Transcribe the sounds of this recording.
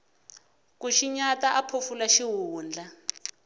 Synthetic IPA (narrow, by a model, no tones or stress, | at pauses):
kuʃiɲataʔapʰofulaʃiɦuːnd͡ɮʱa